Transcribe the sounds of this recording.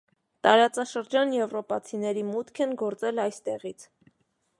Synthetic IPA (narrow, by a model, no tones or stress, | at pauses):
t̪ɑɾɑt͡sɑʃəɾd͡ʒɑnjɛvrɔpɑt͡sʰinɛɾimut̪kʰɛnɡɔɾt͡sɛlɑjst̪ɛʁit͡sʰ